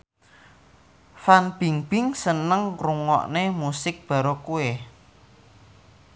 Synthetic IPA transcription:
fanb̥iŋb̥ɪŋsənəŋkɾuŋɔ̰ʔnemusɪk̚b̥a̤ɾokue

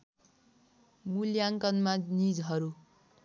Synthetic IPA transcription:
muljaŋkʌnmanid͡zɦʌɾu

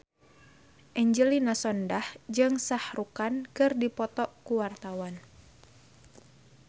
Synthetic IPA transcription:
ʔɛɲd͡ʒəlinasɔndahd͡ʒɨŋsahrukankɨrdipɔt̪ɔkuwart̪awan

